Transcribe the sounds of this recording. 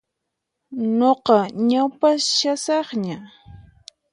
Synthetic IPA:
noqɑɲawpaʃasɑχɲa

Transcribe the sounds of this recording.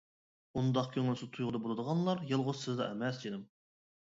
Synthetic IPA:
und̪ɑqkʲʰøŋylsɪt̪ʰujʁʊd̪ɑbolˠɨd̪əʁɑnlˠɑɾjɨlˠʁʊzsɪzd̪ɑ̰ɛmɛsd͡ʒed̪ɪm

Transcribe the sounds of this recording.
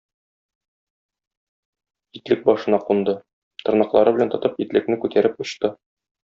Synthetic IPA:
it̪lɘk̚bɒʃɤ̆nɑqund̪ɤ | t̪ŏɾnɑqlˠɑɾɤbɘ̆lænt̪ɤ̆t̪ɤpit̪lɘ̆knɘkʉt̪æɾɘp̚ŏɕt̪ɤ

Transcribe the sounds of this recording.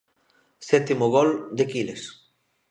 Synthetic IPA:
sɛt̪imoɣɔld̪ekiles

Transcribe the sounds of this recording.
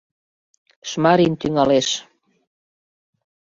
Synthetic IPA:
ʃmɑɾint̪yŋɑleʃ

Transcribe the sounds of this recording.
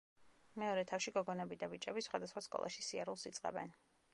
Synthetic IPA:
mɛɔɾɛt̪ʰafʃiɡɔɡɔnɛbid̪abit͡ʃʼɛbisχwad̪asχwaskʼɔ̰lˠʔa̰ʃisiaɾulˠsit̪sʼqʼɛ̰bɛ̰n

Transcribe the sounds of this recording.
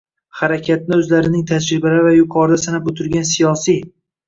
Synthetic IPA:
haɾakʲʰat̪̚nɪɵzlaɾɪnɪŋt̪ʰad͡ʒɾɪbalavajʊqʰɒɾd̪asanapot̪ʰʊɾɡʲansijɒsij

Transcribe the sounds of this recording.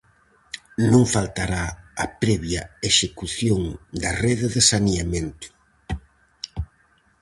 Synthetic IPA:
nõŋfalt̪aɾaɐpɾɛβjɐeʃekuθjoŋd̪ɐreðeðesaniamẽnt̪ʊ̥

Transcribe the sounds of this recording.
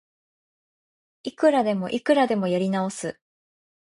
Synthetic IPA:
ikɯ̟ɾad̪e̞mo̞ʔikɯ̟ɾad̪e̞mo̞joɾʲinao̞sɨ

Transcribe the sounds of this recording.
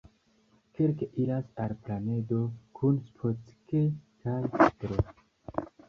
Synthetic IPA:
keɾkeʔiɾasaɾplaned̪okʰunspʰot͡skekajt̪ɾo

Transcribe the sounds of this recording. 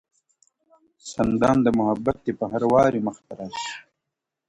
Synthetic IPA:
sand̪ɑːmd̪əmʊɦabːat̪̚d̪epəɦaɾwɑːɾiməxt̪aɾaːʃi̥

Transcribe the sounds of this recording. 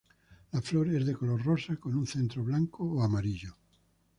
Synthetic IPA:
lafloɾezðekoloɾrosakonunθent̪ɾoβlaŋkoːamaɾiʎo

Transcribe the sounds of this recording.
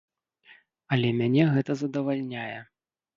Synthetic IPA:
ɐlʲɛmʲanʲɛɣɛt̪ɐzɐd̪ɐvalʲnʲajɛ

